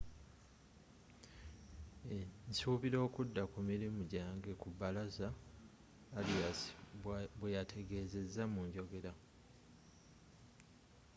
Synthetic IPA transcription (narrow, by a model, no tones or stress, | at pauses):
ensuːβiɾo̞ːkudːakumiɾimuɟaːŋɡe̞kubːalazaː | liasi̥bwejatʰe̞ɡe̞ːze̞zːamuɲɟo̞ɡe̞ɾa